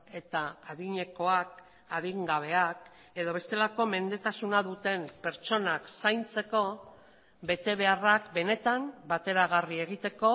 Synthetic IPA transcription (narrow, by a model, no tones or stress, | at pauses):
e̞t̪aːðiɲe̞ko̞ak̚ | aðiŋɡaβ̞e̞ak | eðo̞βe̞st̪e̞lako̞me̞nd̪e̞t̪asunaðut̪e̞mpe̞ɾt͡ʃo̞naksajnt͡se̞ko̞ | be̞t̪e̞β̞e̞arakbe̞ne̞t̪ambat̪e̞ɾaɣ̞arie̞ɣ̞it̪e̞ko̞